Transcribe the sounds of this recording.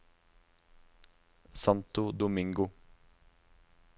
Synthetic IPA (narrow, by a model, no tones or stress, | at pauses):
sɑnt̪ʊd̪ʊmɪŋɡʊ